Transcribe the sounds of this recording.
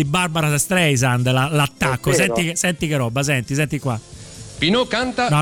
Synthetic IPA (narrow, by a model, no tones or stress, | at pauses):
ibːaɾbaɾasɛst̪ɾɛjzand̪lalat̪ːakːosɛnt̪ikesɛnt̪ikeɾɔbːasɛnt̪isɛnt̪ikwapinokant̪anɔ